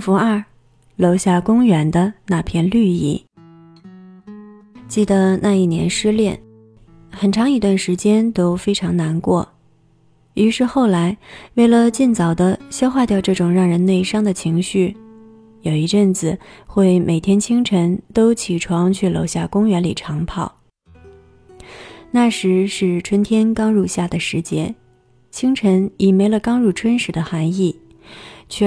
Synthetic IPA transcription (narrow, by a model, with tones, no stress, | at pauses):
fu˧˥ɐ˞˥˩ | lo˧˥ʊɕja˥˩kʊ˥ŋɥɛ˧˥nd̪ə˧na˥˧pʰjɛ˥˧nly˥˧ḭ˥˩ | t͡ɕi˥˩d̪ə˩na˥˧i˥˩njɛ̰˧˥nʂɻ̩˥ljɛ˥˩n | xə˨˩nʈ͡ʂʰɑ˧˥ŋi˧˥t̪wa˥˩nʂɻ̩˧˥t͡ɕjɛ˥nt̪o˥ʊfe˥ɪʈ͡ʂʰɑ˧˥ŋna˧˥nkwɔ̰˥˩ | y˧˥ʂɻ̩˥˧xo˥˩ʊla˧˥ɪwe˥˩ɪlə˩t͡ɕi˥˩nt͡sɑ˨˩ʊd̪ə˦ɕjɑ˥ʊxwa˥˧t̪jɑ˥˧ʊʈ͡ʂɤ˥˩ʈ͡ʂʊ˨˩ŋɻɑ˥˩ŋɻə˧˥nne˥˩ɪʂɑ˥ŋd̪ə˨t͡ɕʰi˧˥ŋɕy˥˩ | jo˨˩ʊi˧˥˧ʈ͡ʂə˥˩nt͡sɹ̩˨˩xwe˥˩ɪmʔe˨˩ɪt̪ʰjɛ˥nt͡ɕʰi˥ŋʈ͡ʂʰə˧˥nt̪o˥ʊt͡ɕʰi˨˩ʈ͡ʂʰwɑ˧˥ŋt͡ɕʰy˥˩lo˧˥ʊɕja˥˩kʊ˥ŋɥɛ˧˥nli˨˩ʈ͡ʂʰɑ˧˥ŋpʰɑ˥˩ʊ | na˥˩ʂɻ̩˧˥ʂɻ̩˥˩ʈ͡ʂʰwə˧˥nt̪ʰjɛ˥nkɑ˥ŋɻu˥˧ɕja˥˩d̪ə˩ʂɻ̩˧˥t͡ɕjɛ˥ | t͡ɕʰi˥ŋʈ͡ʂʰə˧˥ni˨˩me˧˥ɪlə˧kɑ˥ŋɻu˥˩ʈ͡ʂʰwə˥nʂɻ̩˧˥d̪ə˧xa˧˥ni˥˩ | t͡ɕʰɛ˥˩